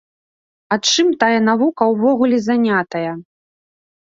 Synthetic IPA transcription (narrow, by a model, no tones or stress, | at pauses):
at͡ʂɨmt̪ajɐnavukɐwvɔɣulʲɛzanʲat̪ɐjɐ